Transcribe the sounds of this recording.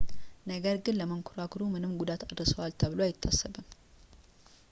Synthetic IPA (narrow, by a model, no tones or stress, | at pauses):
nəɡəɾɡɨnləməŋkʰʊɾakɾumɨnɨmɡud̪at̪ad̪ɾsəwalt̪ʰəβloajɪt̪ʰːasːəβɨm